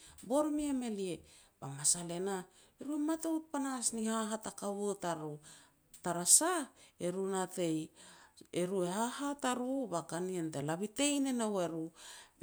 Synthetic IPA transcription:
bo̞ɾmieme̞lie̞b̥amasale̞na | eɾuematewt̚panasnihaɦatakaβutaɾu | taɾasaeɾunate̞j | eɾue̞hahataɾubakanientelaβite̞jnenoweɾu

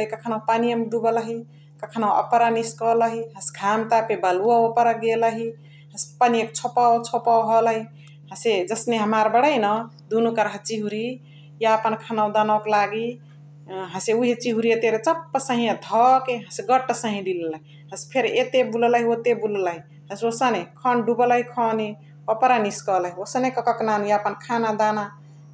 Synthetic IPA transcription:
ikəkʰənaw̃panijəmd̪ubələɦi | kəkʰənaə̰pɾaniskɔləɦiɦə̃sɡʱamt̪apebəluaopəɾəɡeləɦi | ɦə̃spanijə̃k̚t͡ʃʰopawt͡ʃʰopawɦələɦi | ɦə̃sed͡ʒəsneɦəmaɾbəɽəjnɔ | d̪unukəɾɦət͡ʃiɦuɾi | jaəpənkʰənawd̪anoklaɡi | ɦə̃seuɦet͡ʃiɦuɾijet̪eɾet͡ʃəpːəsə̃ɦĩãd̪ʱɔkeɦə̃seɡəʈːsəɦĩd̪illəɦi | ɦə̃spʰeɾet̪ebulləɦiot̪ebulləɦi | hə̃seosənekʰənɖubələɦikʰɔni | pɔpəɾaniskələɦiosənekəkɔknanjaəpənkʰanad̪ana

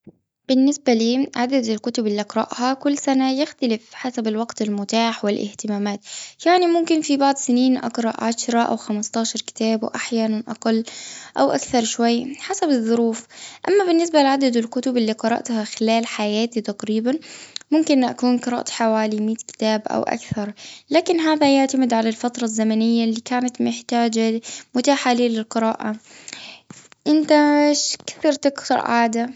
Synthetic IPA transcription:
b̥ɪnːɪsbaliːʕad̪ad̪ɪlkʊt̪ʊbɪlːiʔɑqɾˤɑ̰ʔhakʊlːsanajɪxt̪alɪfħasabɪlwaɡt̪ɪlmʊt̪aːħwɪlʔɪ̰ht̪ɪmaːmaːt̪jaʕnimʊmkɪnfibaʕd̪ˤsɪniːnʔɑ̰qɾˤɑʔʕaʃɾˤɑʔa̰wxamast̪ɑːʃɑɾˤkɪ̥t̪aːbwʔaħjaːnanʔɑ̰qɑlːʔawʔa̰kθɑɾˤʃwajːħasabɪðˤːʊɾuːfʔamːabɪnːɪs̬balɪʕad̪ad̪ɪlkʊt̪ʊbɪlːiːqɑɾˤɑ̰ʔt̪haxɪlaːlħajaːt̪it̪aqɾiːbanmʊmkɪnʔakuːnqɨɾˤɑ̰ːʔt̪ħawaːlimiːt̪kɪ̥t̪aːbʔa̰wʔa̰kθɑɾˤlaːkɪnɦaːðajaʕt̪amɪd̪ʕalalfat̪ɾˤɑzːamanɪjːalːiːkaːnat̪mɪħt̪aːd͡ʒamʊt̪aːħaliːlɪlqɨɾaːʔa | ʔɪnt̪aʃkḁθiɾˤt̪ɪkt̪ʊɾʕaːd̪a

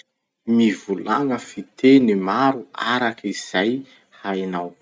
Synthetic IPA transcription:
mivulaŋəfit̪enimaɾua̰ɾakiz̥aj | hajnaw

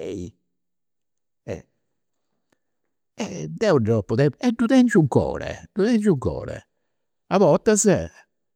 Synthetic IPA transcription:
ɛi | ɛ̰ | ɛd̪ɛudɾɔpːuðɛɛd̪uðɛnd͡ʒuŋkːɔ̰ːɾɛ̰d̪̥uðɛnt͡ʃuŋkɔ̰ːɾɛ̰ | aβɔt̪ːazɛ

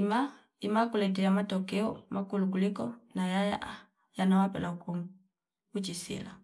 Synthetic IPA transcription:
ma | imakulɛtɛamatɔkɛɔmʔakuluk̬ulikɔnajaja̰ | janawapɛlauku | ut͡ʃisḭla

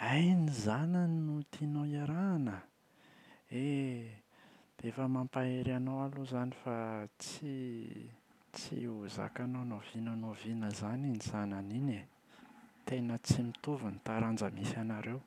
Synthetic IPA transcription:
ajnizananinut̪inoaɾanə | e | d̪̥efəmampaeɾanowaluzanifat͡si | t͡sḭuza̰kanonovinənovinəzaninizananine | t̪enət͡simit̪uvunit̪aɾand͡ʒəmisanaɾew

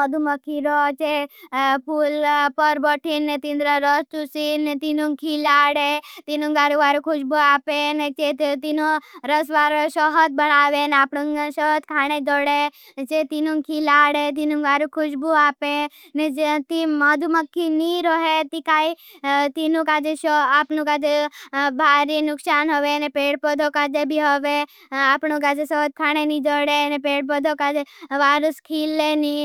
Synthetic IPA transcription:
əd̪ʱuməkːiɾɔt͡ʃe | pulpəɾbəʈʰinːet̪ĩnd̪ɾaɾəst͡ʃ̪usinet̪inũŋkʰilaːɽet̪inũŋɡaːɾuʋaːɾukʰʊʃbuaːpenet͡ʃet̪inuɾəsʋaːɾʃɔɦət̪̚bəɽaːʋenaːpɽuŋʃɔɦət̪̚kʰaːɽ̃ed͡ʒ̪ɔɽe | t͡ʃet̪inũŋkʰilaːɽet̪̬inũŋɡaːɾukʰʊʃbuaːpe | ned͡ʒt̪imad̪ʱuməkːiniːɾoɦet̪ikaːi | t̪inũkaːd͡ʒeʃɔapnũkad͡ʒebʱaːɾinʊksaːnɦoʋenepeːɽpɔd̪ʱokaːd͡ʒebʱiɦoʋe | apnõkad͡ʒesɔt̪̚kʰaːɽ̃enĩd͡ʒ̪ɔɽenepeːɽpɔd̪ʱokad͡ʒeʋaːɾəskʰiːlːeni

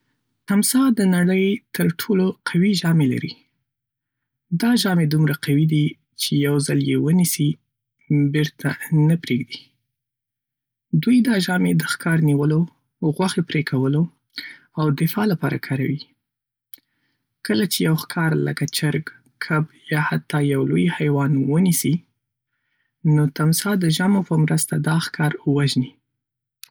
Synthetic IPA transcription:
t̪amsɑd̪ənaɽəjt̪əɾʈʰoloqʰawiʒɑmela̰ɾi | d̪ɑʒɑmed̪umɾaqawid̪i | t͡ʃejawzaljewənisi | beɾt̪ʰanəpɾeɡd̪i | d̪ujd̪ɑʒɑmed̪əxkʰɑɾniwəlo | ɣwaxepɾekʰawəlo | awd̪ɪfɑlapɑɾa̰kʰɑɾawi | kəlat͡ʃejawxkʰɑɾlə̰kat͡ʃaɾɡ | kʰabjɑhat̪ːɑjawlojhajwɑnwənisi | not̪amsɑd̪əʒɑmopəmɾəst̪ad̪ɑxkɑɾwaʒni

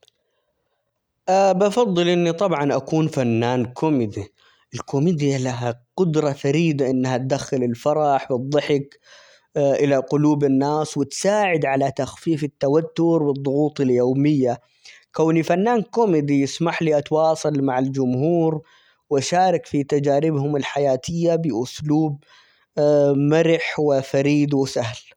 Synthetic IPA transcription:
ʔabʔɑfɑðˤːɨlʔɪnːit̪ˤɑbʕɑnʔakuːnfanːaːnkʰʊmɪd̪i | ʔɪlkʊmiːd̪ɪjalaɦaqʊd̪ɾˤɑfaɾiːd̪aʔɪnːhat̪̚d̪axːɪlɪlfɑɾˤɑħfɨd̪ˤːɨħɪk | ʔɪlaqʊluːbɪnːaːswɪt̪saːʕɪd̪ʕalat̪axfiːfɪt̪ːawat̪ːʊɾwɨd̪ˤːʊɣuːt̪ˤɪljoːmɪjːa | kawnifanːaːnkomɪd̪ijɪsmaħliʔɑt̪wɑːsˤɑlmaʕald͡ʒʊmɦuːɾ | wʔaʃaːɾˤɪkfit̪ad͡ʒaːɾɪbhʊmɪlħajaːt̪ʰɪjːabɪʔʊsluːb̚ | maɾɪħwɪfaɾiːd̪wɪsahl

